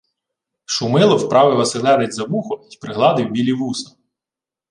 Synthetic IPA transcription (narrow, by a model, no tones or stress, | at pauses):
ʃʊmɪlˠɔwpɾɑʋɪʋɐsɪlˠɛɾɪdʲzɐmuxɔipɾɪɦlˠɑd̪ɪwbʲilʲiʋusɐ̥